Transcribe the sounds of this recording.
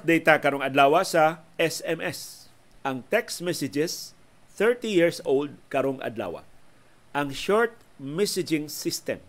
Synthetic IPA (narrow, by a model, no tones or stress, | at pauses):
p̚d̪ejt̪akɐɾoŋɐd̪laːwɐsɐʔɛsɛmʔɛs | ʔɐŋt̪ɛksmɛsɪd͡ʒɛs | θɛɹt̪ijiɹsowld̪̚kɐɾoŋʔɐ̰d̪la̰ːwa̰ | ʔɐŋʃɔɹt̪̚ | mɛsɪd͡ʒɪŋsɪst̪ɛ̰m